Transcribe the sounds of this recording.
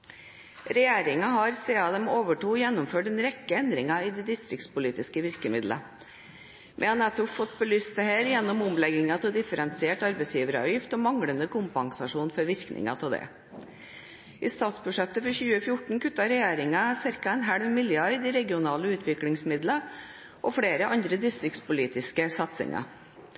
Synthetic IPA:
ɾɛjeːɾɪŋɑɦɑɾseːɑd̪ɛmoːʋəʈuːjɛnːɔʊmføːʈɛnɾɛkːəɛnd̪ɾɪŋɑɪːd̪ɛd̪ɪst̪ɾɪkt̪spʊliːt̪ɪskəʋɪɾkəmɪd̪lə̰ | mʔɛ̰hɑnɛt̪ːɔpfɔt̪bəlyːst̪̚d̪ɛheːɾjɛnːɔmɔmlɛɡɪŋɑt̪ʰɪld̪ɪfəɾɛnsɪeːʈɑɾbɛɪsjiːʋəɾɑ̰ʋjɪft̪ɔːmɑŋɽənd̪əkʰʊmpɑŋsɑʂuːnfɔɾʋɪɾknʔɪ̰ŋɑ̰t̪ʰɪld̪ɛ̰ | ʔɪst̪ɑːt̪sbʉʂɛt̪ːəfɔɾçʉːəfjʊʈɳ̩kʉt̪ːɑɾɛjeːɾɪŋɑsɪɾkɑɛnɦæɽʋmɪljøɑɪd̪ɪɾɛɡɪʊnɑːləʉːt̪ʰʋɪkɽɪŋsmɪd̪lə | ʔɔfɽeːɾəʔɑnd̪ɾəd̪ɪst̪ɾɪk̚t̪spʊliːt̪ɪskəsɑt̪sɪ̰ŋʔɑ̰

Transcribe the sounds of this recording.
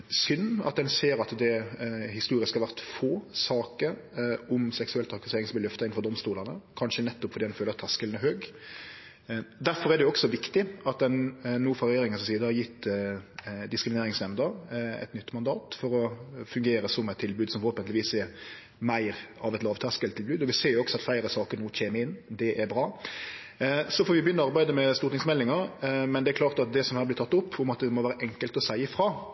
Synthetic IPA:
sʏnːɑ̰t̪̚d̪ɛnseːɾɑt̪d̪ɛhɪst̪uːɾɪskhɑɾʋæʁt̪foːsɑːkəɾɔmsɛksʉɛlt̪ʰɑkɑseːɾɪŋsɔmʋɪlœft̪ɑɪn̩fɔʁd̪ɔmst̪uːlənəkʰɑnʃənɛt̪ːʊpfɔd̪iːd̪ɛnføːləʁɑt̪ʰæskəln̩æɾɦøːɡ | d̪æɾfɔɾɛd̪ɛʊɔksɔʋɪkt̪ɪɑt̪̚d̪ɛnːuːfɑʁjeːɾɪŋənssiːd̪əhɑɾjɪt̪ː | d̪ɪskɾɪmneːɾɪŋsnɛmd̪əɾɛ̰t̪nʏt̪ːmɑnd̪ɑːt̪fɔɾɔfʉŋɡeːɾəsɔmɛɪt̪ʰːɪlbʉːd̪sɔmfɔɾhoːpənt̪lɪʋiːsɛ | mæɪʁɑʋɛt̪lɑːʋt̪ʰɑskɛlt̪ʰːɪlbʉːd̪ɔʋɪseːjʊɔksɔɑt̪flæɪɾəsɑːkəɾnuːc͡çʰeːməɪnːd̪ɛʔæɾbɾɑː | sɔfɔɾʋɪbjʏnːɔɑɾbæɪd̪əmɛst̪uːɾt̪ɪŋsmɛlːɪŋəɾmɛnd̪ɛæɾkʰlɑːʁt̪ɑt̪̚d̪ɛsɔmhæːɾb̪ɪt̪ɑt̪ːʊpːʊmɑt̪̚d̪ɛmɔʋæːɾəʔɛŋkəlt̪ɔsæɪəfɾɑː

